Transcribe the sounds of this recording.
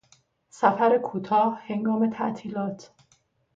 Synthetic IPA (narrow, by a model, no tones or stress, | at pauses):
sæfæɾekʰuːt̪ʰɒːhhe̞ŋɡɒːme̞t̪ʰæ̰ʔt̪ʰiːlɒːt̪ʰ